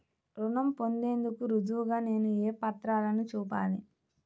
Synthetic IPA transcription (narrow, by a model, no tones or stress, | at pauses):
ɾuɳɐmpo̞nd̪e̞ːnd̪ukuɾud͡ʒ̪uːɡaːne̞ːnueːpɐt̪ɾaːlɐnit͡ʃuːpa̰ːli